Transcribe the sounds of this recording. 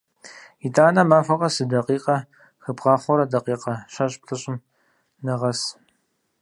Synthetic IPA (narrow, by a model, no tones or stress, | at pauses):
itʼaːnɐmaːfɐqʼɐsɨdɐqʼiːqʼɐ | xɨbʁɑːχʷɔɾɐdɐqiːqɐɕɐɕʼp̚ɬʰɨɕʼɪm | nɐʁɐs